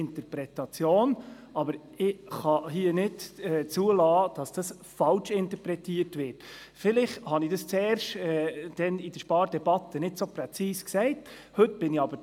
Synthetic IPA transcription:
ɪnt̪əɾpɾɛtɑt͡sjoːn | ɑbəɾ | ɪχɑɦiːənɪdɛt͡suəlɑːd̥ɑsd̥ɑs | fɑlt͡ʃɪntəpɾɛtiːətʋɪɾt | fɪlɪχthɑnɪd̥ɑst͡sɛːɾʃtɛd̥ɛnid̥əʃpɑːɾd̥ɛbɑtʰːənɪdsopɾɛt͡siːsksɛɪt | hɵtb̥ɪnɪɑbə

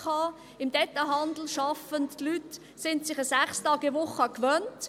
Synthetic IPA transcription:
ɑː | ɪmdɛt̪ːaɦɑnd̪l̩ʃɑfəntːlyt | sɪntsɪχəsæχstɑːɡəʋʊχəɑkʋœnt

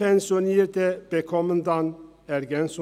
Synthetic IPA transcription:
ɛnsʊneːɾt̪əb̥ɛkʰɔmənd̪ɑn | ɛɾɡɛnsʊ

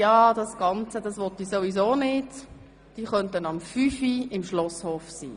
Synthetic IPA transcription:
jɑːd̥ɑsɡ̥ɑnt͡səd̥ɑsʋɔtisoʋizoːnɪt | d̥iːχœntənɑmfyfiɪmʃlɔshoːfsḭː

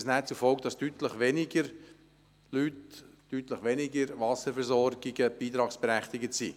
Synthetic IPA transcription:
snæːt͡sufɔlɡ̚d̥ɑstyt̪ləχʋɛnɪɡə | lyːtː | yt̪ləχʋɛnɪɡəɾʋɑsəɾfɛɾzɔɾɡ̥ɪɡəb̥iːt̪ɾɑːksb̥ɛɾæχt̪ɪɡətsiː

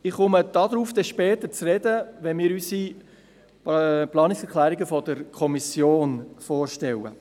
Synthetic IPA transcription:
ɪχχʊməd̥ɑd̪ɾuːfd̥̪ɛʃpɛːt̪ət͡srɛd̥əʋɛnmɪːɾysi | plɑːnɪksɛɾkʰlæːɾiɡəfɔd̥̪əɾkʰɔmisjoːnfoːɾʃtɛwə̰

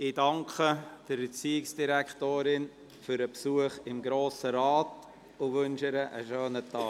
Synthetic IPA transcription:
ɪdɑŋkʰəd̥əɾbɛt͡siːɪksd̥iɾæktoːɾɪn | fʏɾəpsuəχɪmɡɾoːsəɾɑːt | ʊʋʏnʃɪɾəʔə̰ʃøːnətʰɑː

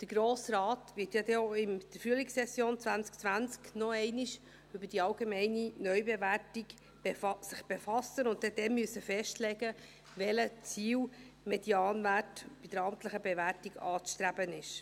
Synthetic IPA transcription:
d̥əɡ̥ɾoːsɾɑːtʋɪtjɑd̪ɛoɪnd̥əfryəliksɛsjoːnt͡sʋænt͡sk̚t͡sʋænt͡sknɔɛɪniʃ | ʏbəd̥iɑlɡemɛɪninœʏbeʋærtiɡ | sɪχb̥efɑsənʊnt̚tɛd̥̪ɛmyəsːəfɛʃtlɛɡə | ʋɛlət͡siːw | medjɑːnvætb̥id̥̪əɾɑmt̪ləχəbeʋæɾtiɡɑːt͡sʃt̪ɾæb̥ənɪʃ

